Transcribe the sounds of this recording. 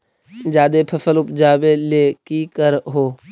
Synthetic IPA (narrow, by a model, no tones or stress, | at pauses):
d͡ʒaːd̪eːpʰəfəlʊpd͡ʒaːbeːleːkiːkəɾɦoː